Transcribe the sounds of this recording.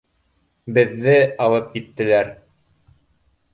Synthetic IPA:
bɘ̆ðːɘɑlˠɤp̚kit̪ːɘ̆læɾ

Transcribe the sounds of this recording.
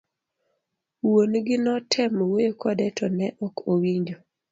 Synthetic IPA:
wonɡɪnɔtʰɛmowekʰɔdɛtʰɔnɛʔɔkowiɲd͡ʒo

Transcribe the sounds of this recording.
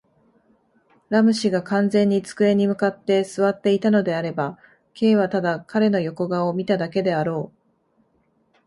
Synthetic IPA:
ɾamɯ̟ɕiɡakãnd͡zẽ̞ɲ̟ːit͡sɨ̥kɯ̟e̞ɲ̟ːimɯ̟kat̪ːe̞sɨβat̪ːe̞it̪ano̞d̪e̞aɾe̞ba | kʰe̞ːβat̪ad̪akaɾe̞no̞jo̞ko̞ɡao̞mʲit̪ad̪ake̞d̪e̞aɾo̞ː

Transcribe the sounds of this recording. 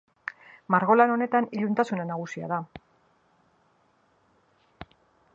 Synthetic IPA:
maɾɣo̞lano̞ne̞t̪aniʎunt̪asunanaɣ̞usia̰ða

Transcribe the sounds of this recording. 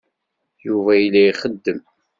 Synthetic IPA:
juvæjlːæiχəd̪ːəm

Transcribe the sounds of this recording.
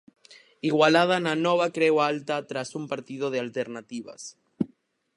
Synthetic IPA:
iɣwalað̞anano̞βakɾewalt̪at̪ɾasumpaɾt̪ið̞o̞ð̞ealt̪eɾnat̪iβa̰s

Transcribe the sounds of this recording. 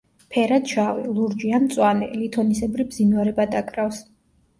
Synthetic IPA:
pʰɛɾad̪ʃavilˠuɾd͡ʒianmt̪sʼwanɛ̰lit̪ʰɔnisɛbɾibzinwaɾɛbad̪akʼɾafs

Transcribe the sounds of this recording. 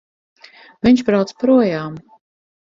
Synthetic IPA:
viɲʲʃbɾawt̪spɾuɔjaːm

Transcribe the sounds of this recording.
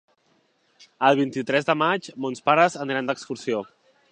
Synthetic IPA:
əlˠβint̪it̪ɾɛzðəmad͡ʒmonspaɾəzəniɾand̪əkskuɾsio

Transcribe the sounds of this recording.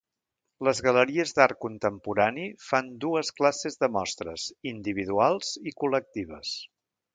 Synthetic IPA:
ləzɣələɾiəzd̪aɾkunt̪əmpuɾanifand̪uəsklasezðəmɔst̪ɾəzind̪iβ̞iðualˠz̥ikulək̚t̪iβ̞əs

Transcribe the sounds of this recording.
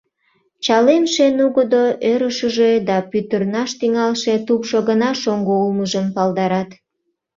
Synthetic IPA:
t͡ɕɑlenʃenuɣəd̪oʔøɾəʃəʒed̪ɑpyt̪ərnɑʃt̪yŋɑlʃe̽t̪upʃoɣənɑʃoŋɡoulməʒəmpɑld̪ɑɾɑt̪

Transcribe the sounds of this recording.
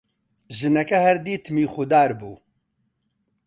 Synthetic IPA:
ʒɨnɛkɐhɛɾd̪iːt̪ʰmiːxʊd̪aːɾbuː

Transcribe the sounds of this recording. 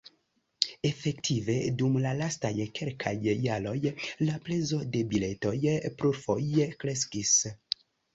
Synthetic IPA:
e̞fektʰive̞dumlalastajkelkʰajːalo̞jlaple̞zo̞de̞bileto̞jpɾuɾfo̞jkɾe̞s̬kis

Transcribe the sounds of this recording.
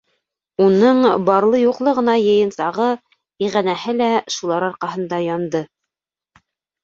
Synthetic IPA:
unɤɴbɑɾlˠɤjuqlˠɤʁɤ̆nɑjɤ̆jɤ̆nsɑʁɤ | iʁænæhɘlæʃulˠɑɾɑɾqɑɦɤ̆nd̪ɑjɑnd̪ɤ

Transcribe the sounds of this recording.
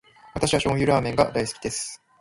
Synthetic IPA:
βat̪aɕiβaɕõ̞ɰ̃jɯ̟ɾaːmẽ̞ŋɡa̰d̪aisɨ̥kʲi̥d̪esɨ̥

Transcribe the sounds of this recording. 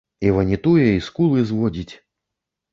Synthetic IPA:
ivɐnʲit̪ujɛiskulˠɨzvɔd͡zʲit͡sʲ

